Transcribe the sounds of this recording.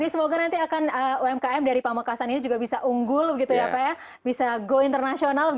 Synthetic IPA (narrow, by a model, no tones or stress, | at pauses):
nisəmoɡanant̪iakanəoɛmkaɛmdaɾipamakasaninid͡ʒuɡabisaʔuŋɡʊlbəɡit̪ujaːpaja | bisaɡoint̪ərnasionalbə